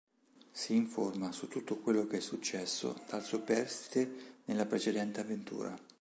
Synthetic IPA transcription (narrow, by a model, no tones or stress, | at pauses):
siːɱformasut̪ːut̪ːokwelːokeɛsːut͡ʃːɛsːo̰d̪̥alsupɛrst̪i̥t̪enelːapɾet͡ʃed̪ɛnt̪eavːent̪ṵːɾa̰